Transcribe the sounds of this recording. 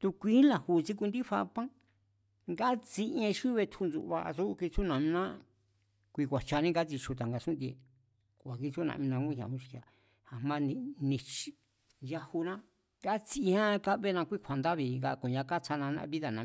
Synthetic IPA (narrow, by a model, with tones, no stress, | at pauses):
t̪u˧kʷi˦la˨hu˧˨t͡si˦k̬u˧nd̪i˦ɸa̰˧pã˦ | ŋɡa˦t͡si˧ʔẽ˧ʃu˦βe˧t̪ʰu˧nd͡zṵ˧˨˧βa̰˧ʔa̰˧su˦˧ki˧t͡su˦nã˨mĩ˧nã˦ | kʷi˧kʷa˨t͡ʃa˧nĩ˦ɡa˦t͡si˧t͡ʃu˧t̪a˨ŋɡa˧sũ˦nd̪e˧˨ | ka˨ki˧t͡su˦˧nã̰˧ĩ˧nã˧kũ˦˧ɲ˧ã̰˨ũ˧t͡ʃi̥˧a˨ | ha˨mã˦nĩ˧nĩ˧t͡ʃi̥˨ | ja˧hu˧nã˦ | ŋɡa˦t͡si˧i˧hã˦ka˦βe˦nã˧kʷi˦˧kʷʰa˨nd̪a˦βi˧ɡa˧kõ˨ɲã˧ka˦t͡sa˧nã˧nã̰˧βi˦ða˨nã˨˦